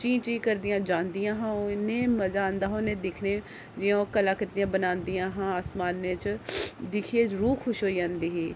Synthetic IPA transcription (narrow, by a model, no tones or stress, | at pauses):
t͡ʃĩːt͡ʃiːkəɾd̪ijãːd͡ʒãːnd̪ijãːɦãːneːməzaːənd̪aːɦoːnẽːd̪ɪkʰneː | d͡ʒɪjãkəlaːkəɾd̪ijãːbənaːnd̪ijãːɦãːaːsmaːnːet͡ʃd̪ɪkʰieːɾuːxʰʊʃɦoːijãːnd̪iːɦiː